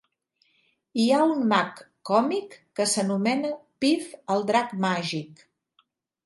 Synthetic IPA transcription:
iaunmakː | ɔmikːəsənumɛnəpifəlˠd̪ɾakmaʒik

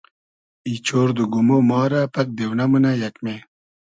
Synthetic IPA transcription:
it͡ɕʰoːɾd̪uɡumomɑːɾapɐk̚d̪ewnɐmunajɐkme

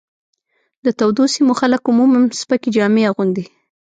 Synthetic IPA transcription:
d̪ət̪awd̪osimoxalakʊmumamspakid͡ʒɑmeaɣund̪i

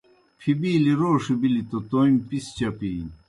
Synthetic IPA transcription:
pʰibiːliɾoːʂɨbilit̪ot̪ojmʲpist͡ɕapiː

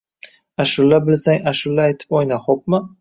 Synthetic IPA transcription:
aʃʊlːabɪlsaŋaʃʊlːaːjt̪ʰɪ̥pojnaχop̚mɪ

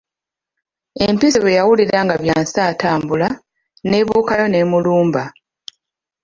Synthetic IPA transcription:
e̞mpisiβejawuliɾaŋɡaβjaːnsaːtaːmbula | ne̞ːβuːkajo̞ne̞ːmuluːmba

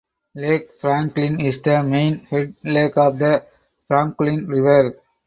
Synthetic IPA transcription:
leːkfɾæ̃ŋklɪ̃nɪsd̪əmẽːnhɛɖ̚leːkɔːʋd̪ə | fɾãŋklɪ̃nɾɪʋəɾ

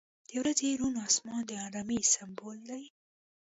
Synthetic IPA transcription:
d̪̥ewɾazeɾunɑsmɑnd̪əaɾamisambolːai

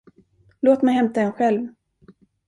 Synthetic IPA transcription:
loːt̪mɛjhɛmt̪aɛnɧɛlv

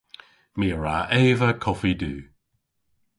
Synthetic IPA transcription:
miːəɹa̰ʔeːvəkʰɔfidʉː

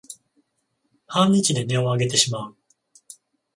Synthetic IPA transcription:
hãɲ̟ːit͡ɕid̪e̞ne̞o̞aɡe̞t̪e̞ɕimaɯ

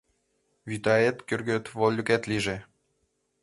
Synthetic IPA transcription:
βyt̪ɑet̪kyrɡøt̪volʲːyket̪liʒe

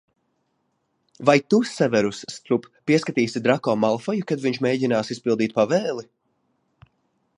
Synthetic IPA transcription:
vajt̪usɛvɛɾusːt̪ɾuppiɛskat̪iːsid̪ɾakɔːmalˠfɔjukad̪viɲt͡ʃmʲeːɟinaːsispilˠd̪iːt̪̚pavɛːlˠi

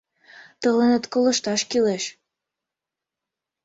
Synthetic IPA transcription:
t̪əlenet̪koləʃt̪ɑʃkileʃ

